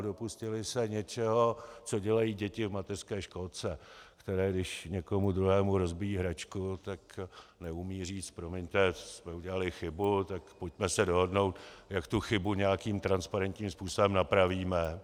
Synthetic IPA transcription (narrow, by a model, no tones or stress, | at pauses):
do̞puscɪlɪsɛɲɛt͡ʃɛɦo̞t͡so̞ɟɛlajiːɟɛcɪvmat̪ɛr̥skɛːʃko̞lt͡sɛkt̪ɛɾɛːɡdɪʃɲɛko̞mud̪ɾuɦɛːmuɾo̞zbɪjiːɦɾat͡ʃkut̪aknɛumiːriːt͡st̪̚pɾomɛɲt̪ɛsmɛuɟɛlalɪxɪbut̪akpocmɛsɛdo̞ɦo̞dno̞wt̪jakt̪uxɪbuɲɛjakiːmt̪ɾanspaɾɛnt̪ɲiːmspuːso̞bɛmnapɾaviːmɛ